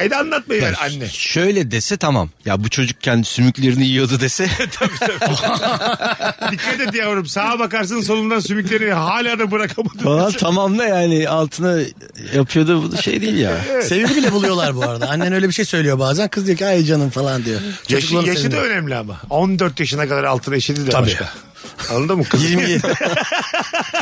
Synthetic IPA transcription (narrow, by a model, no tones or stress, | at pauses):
ed̪ɛanlˠat̪̚majiaanːɛʃø̞jlʲɛd̪esɛt̪ʰama̰mjabut͡ʃʰo̞d͡ʒuk̚cʰːɛnd̪isymyclʲe̞ɾinijijo̞d̪ud̪e̞sɛt̪ʰabiab | d̪ikʰːat̪et̪ijavoɾumsaːabakaɾs̬ɯns̬o̞nund̪ansymyclʲe̞ɾinɦaːlʲaːd̪abuɾakʰamad̪falˠant̪ʰamamlˠɯjaːnɪalˠt̪ʰɯna | japʰɯjo̞d̪ubud̪ʃejd̪ijilʲja̰ɛsɛevid̪ibilʲɛbulˠujo̞lˠaɾbuaɾad̪aanːɛnø̞jlʲebiʃe̞jsø̞jlʲijo̞baːzænkʰɯzd̪ijocʰʲnajd͡ʒanɯmfalˠand̪ijot͡ʃʰouklˠaasʃiiø̞næmlʲiama̰ond̪øɾt̪jaʃɯnakad̪aɾalˠt̪ʰɯnaeʃed̪id̪ʰaik̪a̰ | anːˠad̪ɯmukʰjiɾmi